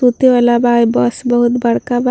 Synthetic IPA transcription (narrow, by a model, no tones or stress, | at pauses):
ut̪eʋalabajbɔsbəɦʊt̪bəɽkab